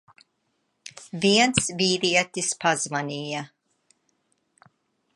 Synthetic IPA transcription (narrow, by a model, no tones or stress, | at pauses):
viɛnsviːɾiɛt̪ispʰazvanʲija